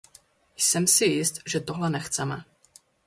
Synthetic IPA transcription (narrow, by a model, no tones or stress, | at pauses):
jsɛmsɪjɪst̪ʒɛt̪o̞ɦlɛnɛxt͡sɛmɛ̰